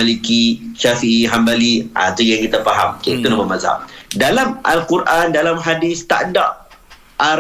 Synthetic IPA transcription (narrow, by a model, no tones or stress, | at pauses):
alikiʃafiʔiɦambaliʔa̰t̪ujaŋkit̪afaɦamkikənəbəmaza̰ʔdalamʔa̰lkuɾʔandalamɦadɪst̪a̰nda̰ʔ | ʔa